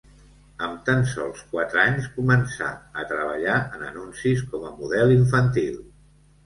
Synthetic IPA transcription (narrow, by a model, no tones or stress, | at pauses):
əmt̪ansɔ̰lˠskwat̪ɾəaɲskumənsa̰ət̪ɾəβ̞əʎaʔənənunsiskɔməmuðɛliɱfənt̪ilˠ